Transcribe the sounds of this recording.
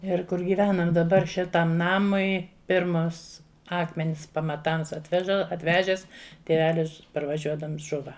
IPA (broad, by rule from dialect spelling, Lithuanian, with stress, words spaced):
ɪr kʊr ɡʲiːˈʋʲæːnɐm dɐˈbɐr ˈʃʲɪtɐm ˈnɑːmʊɪ ˈpʲɪrmɐs ˈɑːkmʲɛnʲɪs pɐmɐˈtɐms ɐtʲˈʋʲæːʒɐ ɐtʲˈʋʲæːʒʲɛs tʲeːˈʋʲæːlʲɪs pɐrʋɐˈʒʲuɔdɐms ˈʒʊʋɐ